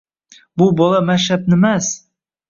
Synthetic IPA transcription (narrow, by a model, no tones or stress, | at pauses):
bubɒlˠɑmæʃap̚nɘmas